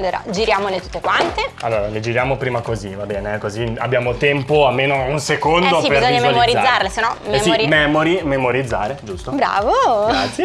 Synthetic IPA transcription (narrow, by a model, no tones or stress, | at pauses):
d̪eɾa̰d͡ʒiɾjaːmonet̪u̥t̪ːekwant̪ealːoːɾaled͡ʒiɾjaːmopɾiːmakozivabɛːneɛkozia̰bːjaːmot̪ɛmpoalmːeːnounsekond̪osibpeizoɲːameolmioɾid̪zːarlesenːɔmemsioɾimɛmoɾimemoɾid̪zːa̰ːɾed͡ʒust̪obɾa̰ːvoɡɾat̪sːje